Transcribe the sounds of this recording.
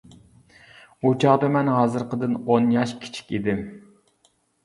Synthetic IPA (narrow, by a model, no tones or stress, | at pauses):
ut͡ʃʰɑʁd̪ɑmɛnɦɑːzɨɾqəd̪ɨnonjɑʃkʲʰi̥t͡ʃʰi̥kʲid̪ɪm